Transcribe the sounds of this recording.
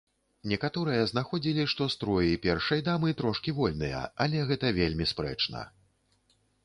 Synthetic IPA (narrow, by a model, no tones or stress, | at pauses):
nʲɛkat̪ɔɾɨjɐznaxɔd͡zʲilʲiʂt̪ɔst̪ɾɔjipʲɛrʂɐjd̪amɨt̪ɾɔʂkʲivɔlʲnɨ̰jɐ̰ɐlʲɛɣɛt̪ɐvʲelʲmʲispɾɛ̰t͡ʂnɐ̰